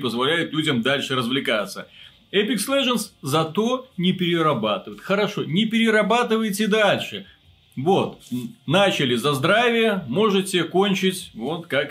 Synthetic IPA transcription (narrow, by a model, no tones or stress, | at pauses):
pəzvɐlʲæjʊt̪lʲudʲəmd̪alʲʂɨɾəzvlʲɪkat̪sːə | ɛpʲɪkslˠeʐənszɐt̪o̞nʲɪpʲɪɾʲɪɾɐbat̪ɨvəjɪt̪xəɾɐʂo̞nʲɪpʲɪɾʲɪɾɐbat̪ɨvəjtʲɪd̪alʲʂɨ | vo̞t̪nat͡ɕɪlʲɪzɐzd̪ɾavʲɪjəmo̞ʐɨtʲɪko̞nʲt͡ɕɪtʲvo̞t̪kak